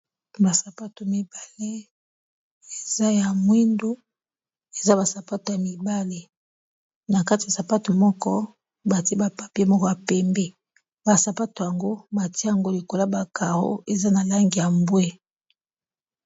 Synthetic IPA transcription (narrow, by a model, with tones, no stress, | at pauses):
ba˨sa˨pa˦to˨mi˨ba˨le˦ | e˨za˦ja˨mwi˦ndo˦ | e˨za˦ba˨sa˨pa˦to˨ja˨mi˨ba˦le˦ | na˨ka˦ti˨ja˨sa˨pa˦to˨mɔ˦kɔ˦ | ba˨ti˦e˦ba˨pa˨pi˦e˦mɔ˦kɔ˦ja˨pɛ˨mbe˦ | ba˨sa˨pa˦to˨ja˨ŋɡo˦ba˨ti˦a˨ŋɡo˦li˨ko˨la˦ba˨ka˨ʁo̰˦e˨za˦na˨la˦ŋɡi˨ja˨mbwe˦